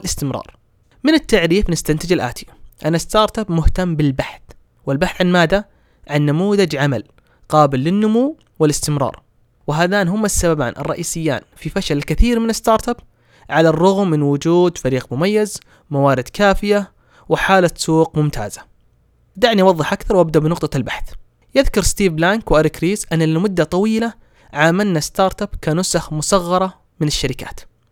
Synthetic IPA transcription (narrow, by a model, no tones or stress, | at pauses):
lɪst̪ɪmɾˤɑ̰ːɾˤ | mɪnɪt̪ːaʕɾiːfnɪst̪ant̪ɪd͡ʒɪlʔa̰ːt̪ʰiʔanːast̪ɑːɾˤt̪abmʊht̪amːbɪlbaħθ | wɪlbaħθʕanmaːd̪a | ʕanːamuːðad͡ʒʕamal | qɑːbɪlːɪnːʊmuː | wɪlɪst̪ɪmɾˤɑ̰ːɾˤ | wɪɦaːðaːnɦʊmːasːababa̰ːnʔɨ̰rˤːɑʔiːsɪjːa̰ːnfifaʃalkɪθiːɾmɪnɪst̪ɑːɾˤt̪ab | ʕalarˤːʊɣmːɪnwʊd͡ʒuːd̪faɾiːqmʊmajːaz | mawaːɾɪd̪kaːfɪja | wɪħaːlasuːqmʊmt̪ʰa̰ːza | d̪aʕniʔwɑðˤːɨħʔakθɑɾˤwʔab̚d̪aʔbnʊqt̪ˤɑlbaħθ | jɪðkʊɾˤst̪iːvlaŋkwʔaɾɪkɾiːzʔanːalmʊd̪ːat̪ˤɑwiːla | ʕaːmalnast̪ɑːɾˤt̪abkanʊsaxmʊsɑɣːɑɾˤɑ | mɪnɪʃːaɾɪka̰ːt̪